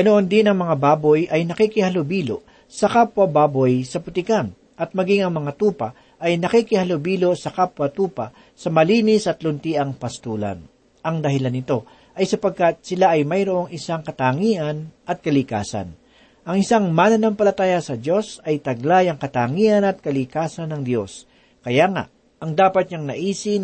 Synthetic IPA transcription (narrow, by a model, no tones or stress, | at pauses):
ɡɐnoʔond̪ɪnɐŋmɐŋabaːbojʔɐjnɐkikɪhɐlʊbiːlo̰ | sɐkapwɐbaːbojsɐpʊt̪ɪkan | ʔɐt̪̚mɐɡiŋɐŋmɐŋat̪uːpɐ | ʔɐjnɐkikɪhɐlobiːlosɐkapwɐt̪uːpa | sɐmɐliːnɪsʔɐt̪lʊnt̪iːʔɐŋpɐst̪uːlɐ̰n | ʔɐŋd̪ɐhɪlanːɪt̪o̞ | ʔɐjsɐpɐɡ̚kat̪̚sɪlaʔɐjmɐjɾoʔo̞ŋɪsaŋkɐt̪aːŋiʔɐnʔɐt̪̚kɐlɪka̰ːsɐ̰n | ʔɐŋɪsaŋmanɐnɐmpɐlɐt̪aːjɐsɐd̪jo̞sɐjt̪ɐɡ̚lajɐŋkɐt̪aːŋiʔɐnɐt̪̚kɐlɪkaːsɐnɐŋd̪jo̞s | kɐjaŋa̰ʔ | ɐŋd̪aːpɐt̪̚ɲɐŋnɐʔiːsɪ